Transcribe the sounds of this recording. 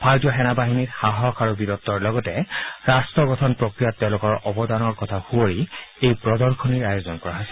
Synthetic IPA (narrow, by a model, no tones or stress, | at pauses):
pʰaɹtjɔxɛnabaɦinitxaɦɔkʰaɹubidɔtːɔɹlɔɡɔtɛɹastɹɔɡɔtʰɔnpɹɔkɹijatːɛʊ̃lʊkɔɹɔbɔdanɔɹkɔtʰahuoɹiejpɹɔdɔɹkʰɔniɹajɔzɔnkɔɹaɦɔsɛ